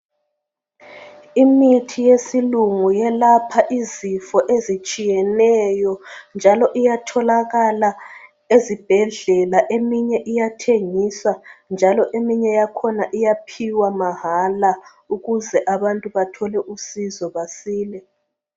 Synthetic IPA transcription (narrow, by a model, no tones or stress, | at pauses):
imitʰijesiluŋujɛlapʰaʔizifɔʔezit͡ʃʼijɛnɛjɔnd͡ʒʱalɔʔijatʰɔlaɣala | ezib̥ʱɛɮɛlaʔemiɲɛʔijatʰeŋiswand͡ʒʱalɔʔemiɲɛjakʰɔnaʔijapʰiwamaɦala | uɣuzɛʔaβantʼuβatʰɔlɛʔusizɔβasiːlɛ